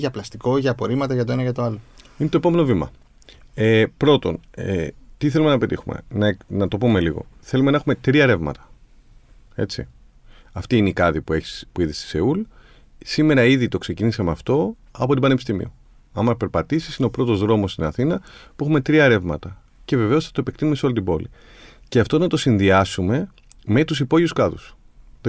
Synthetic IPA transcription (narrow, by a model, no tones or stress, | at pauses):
ʝɐplɐst̪iko̞ʝɐpo̞ɾimɐt̪ɐʝɐt̪o̞e̞nɐʝɐt̪o̞ɐloine̞t̪oe̞pome̞no̞vimɐ̰ | epɾo̞t̪o̞̰net̪iθe̞lume̞nɐpe̞t̪ixume̞̰nɐnɐt̪o̞pume̞liɣo̞̰θe̞lumenɐexume̞t̪ɾiɐɾe̞vmɐ̰t̪ɐ̥ | e̞t͡sḭ | ɐft̪iineikɐðipuepuiðist̪i̥se̞ul | sime̞ɾɐiðit̪o̞kse̞cinisɐmeɐft̪o̞ | ɐpo̞t̪ibɐne̞pist̪imḭo | ɐmɐpe̞ɾpɐt̪isisineopɾo̞t̪o̞zðɾo̞mo̞st̪inɐθinɐpuexume̞t̪ɾiɐeɾe̞vmɐt̪ɐ | ce̞ve̞ve̞osθɐt̪opek̚t̪inumesolit̪ibo̞li | ceɐft̪onɐt̪o̞sinðiɐsume̞ | me̞t̪usipo̞ʝiuskɐðus